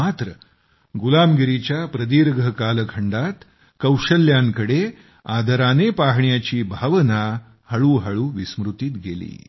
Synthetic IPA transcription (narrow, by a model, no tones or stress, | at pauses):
mat̪ɾə | ɡulamɡiɾit͡ɕjapɾəd̪iːɾɡʱəkaːləkʰəɳɖat̪ | kəwʂəljaŋkəɽe | ad̪ʱəɾanepaɦɳjat͡ɕiːbʱaʋəna | hɐɭuːɦəɭuːʋismɾut̪it̪ɡḛlḭː